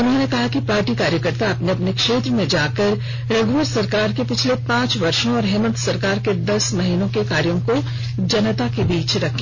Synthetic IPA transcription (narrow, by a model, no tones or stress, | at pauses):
ʊnɦõnekɐɦakipaːɾʈikaːɾjəkəɾt̪aɐpneɐpnekʃeːt̪ɾəmẽd͡ʒaːkɐɾ | ɾɐɡʱʋəɾsɐɾkaːɾkepɪt͡ʃʰlepãːt͡ʃʋɐɾʃõɔːɾɦɛːmənt̪sɐɾkaːɾked̪ɐsmɐɦiːnõkekaːɾjõko | d͡ʒɐnət̪akebiːt͡ʃɾɐkʰː